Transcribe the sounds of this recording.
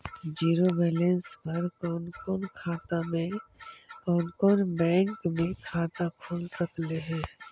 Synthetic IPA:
d͡ʒiːɾomɛːlenspɐɾkɔːnkɔːnkʰaːt̪amẽ | kɔːnkɔːnbɛ̃ːŋkmẽkʰaːt̪akʰoːlsəkleɦɛ̃ː

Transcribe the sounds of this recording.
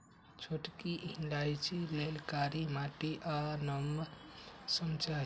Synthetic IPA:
t͡ʃʰoʈkiʔɦinlajt͡ʃilelkaɾimaʈiʔanəm | səmt͡ʃa

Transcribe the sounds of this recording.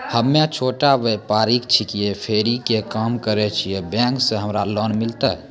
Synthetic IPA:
həmːet͡ʃʰoːʈaʋepaːɾikt͡ʃʰikiepʰeːɾikekaːmkəɾet͡ʃʰiebɛ̃ːŋkseɦəmɾalɔːnmɪlt̪aɦ

